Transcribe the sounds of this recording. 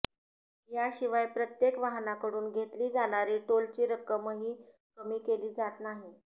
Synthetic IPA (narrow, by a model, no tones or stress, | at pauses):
jaɕiʋajpɾət̪jekʋaɦnakəɾuːnɡʱet̪liːd͡zaɽ̃aɾiːʈolt͡ɕiːɾəkəməɦiː | kəmiːkeliːd͡zat̪naɦi